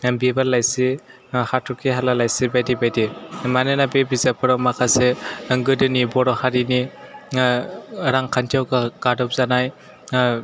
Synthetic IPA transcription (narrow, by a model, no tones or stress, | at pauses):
bibalajsi | hatʰɔkʰiɦalalajsibajdibajdimanɯnabebizapʰɯɾawmakʰaseɡɯdɯnibɔɾɔhaɾini | ɾaŋkʰantʰiawkaɡadɔp̚zanaj